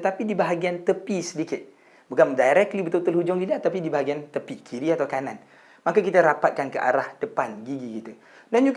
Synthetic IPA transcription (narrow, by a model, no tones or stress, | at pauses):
ət̪apidibaɦaɡiant̪əpisədikɪt̪̚ | bukandajɾɛk̪̚libət̪ʊlt̪əlhud͡ʒɔŋɡiliat̪apidibaɦaɡiant̪əpikʰiɾiat̪awkanãn | makakit̪aɾapat̪̚kankəʔa̰ɾahd̥əpanɡiɡikit̪ə | dand͡ʒuɡ